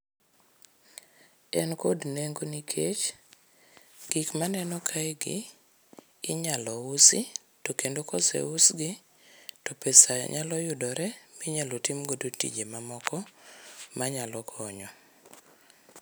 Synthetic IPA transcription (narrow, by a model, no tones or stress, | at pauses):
ɛnkodneŋɡonikʰet͡ʃ | ɡ̥ikmanɛnɔkʰajɡɪ̰ː | ɲalɔʊsɪ | tokendokɔsɛ̰ʊsɡɪ | tɔpesa̰ɲalɔjʊdɔɾɛmiɲalotimɡodotḭd͡ʒemamɔkɔ | maɲalɔkʰɔɲɔ